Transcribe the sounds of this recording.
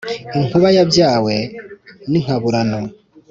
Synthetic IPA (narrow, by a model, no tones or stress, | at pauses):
iŋ̥uβajabjaːweniŋ̥aβuɾano